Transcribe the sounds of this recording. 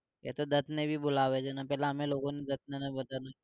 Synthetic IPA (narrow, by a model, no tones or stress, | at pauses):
jɛ̰t̪od̪ɐt̪ʰnebʱibʊlaʋed͡ʒenapɛɦleɦɐmẽloːɡõned̪ɐt̪̚ʰnenɐbɐt̪ana